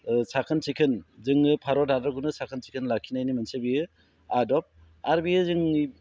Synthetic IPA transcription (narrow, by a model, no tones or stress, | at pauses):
sakʰɯnsikʰɯnzɯŋɯpʰaɾɔdadɯɡunɯsakʰɯnsi̥kʰɯnlakʰinajnimɯnsebijɯ | adɔp̚ | aɾbijɯzɯŋi